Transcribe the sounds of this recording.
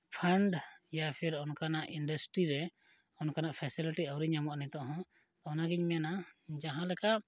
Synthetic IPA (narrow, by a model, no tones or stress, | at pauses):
pʰaɳɖjapʰiɾɔnkanaʔiɳɖasʈɾiɾɛ | ɔnkanaʔpʰɛsiliʈiawɾiɲamɔʔnɛt̪ɔʔɦɔ̃ | t̪ɔɔnaɡiɲmɛjanad͡ʒaɦãlɛkaʔ